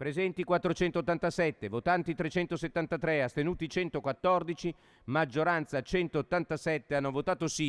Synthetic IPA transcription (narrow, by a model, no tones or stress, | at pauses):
pɾezɛnt̪ikwat̪ːɾot͡ʃɛnt̪ot̪ːant̪asɛt̪ːevot̪ant̪it̪ɾet͡ʃɛnt̪oset̪ːant̪at̪ɾeast̪enuːt̪it͡ʃɛnt̪okwat̪ːɔrd̪it͡ʃi | mad͡ʒːoɾant̪sat͡ʃɛnt̪oːt̪ːant̪asɛt̪ːeanːovot̪aːt̪osi